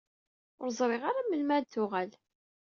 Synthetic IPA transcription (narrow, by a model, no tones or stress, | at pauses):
ʊɾzˤɾˤɪʁaɾaməlmæd̪θʊʁæl